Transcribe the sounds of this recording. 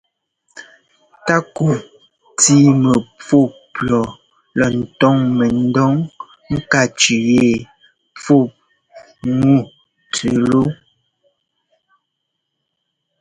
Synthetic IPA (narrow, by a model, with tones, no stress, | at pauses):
ta˦ku˨ | ti˦mə˨p͡fo˦˨plɔ˨ | lɔ˨n̩˨tɔ˦ŋme˨n̩˦dɔ˦ŋ | ŋ̩˦ka˦˨t͡ʃi˨je˦˨ | p͡fo˦˨p̚ | ŋu˦˨ | tʰe˨lo˦